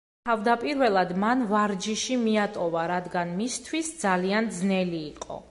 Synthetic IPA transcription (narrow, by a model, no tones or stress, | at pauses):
t̪ʰavd̪apʼiɾvɛlˠad̪manvaɾd͡ʒiʃimiat̪ʼɔvaɾad̪ɡanmist̪ʰwisd̪zaliand̪znɛliːqʼɔ̰